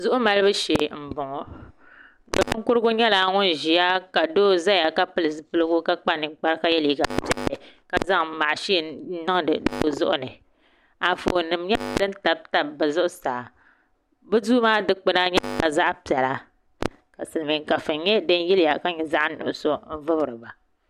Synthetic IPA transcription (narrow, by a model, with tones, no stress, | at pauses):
zʊ˦ʔʊ˦ma˨lɨ˦bɨ˦ʃeː˨m̩˨bʊ˨ŋɔ˨ | bɨ̰˨pɨ˦ŋ˦kʊ˦ɾɨ˦ɡʊ˦ɲɛ˦la˨ŋʊ˦n˦ʒi˨ja˦ka˨doː˦za˦ja˨ka˦pɨ˦lɨ˨zɨ˦pɨ˦lɨ˦ɡʊ˦ka˦k͡pa˦nɨ˨˦k͡pa˦ɾka˦jɛ˦li˦ɡa̰˨pi˦ɛ˨lɛ˨ka˦za˦ŋma˨ʔʃi˦˨˦nɨ˦ŋ˨dɨ̰˨do̰˦zʊ̰˦ʔʊ̰˦nɨ˨ | a˨fo˨nɨ˨mɲɛ˦dɨ˦n˦ta˨b̚ta˦bɨ˨zʊ˦ʔʊ˦saː˨ | bɨ˦du˦maː˦dɨ˦k͡pɨ˦na˦ɲɛ˦˨ka˨za˦ʔpi˨ɛ˨la˦ | ka˨sɨ˨ɨ˨mi˨ŋ˨ka˨fɨ˨nɲɛ˦dɨ˦n˦jɛ˦lɪ˦ja˨ka˦ɲɛ˨za˦ʔnʊ̰˨ʔʊ˨so˦m̩˦vɨ˦bɾɨ˨ba˨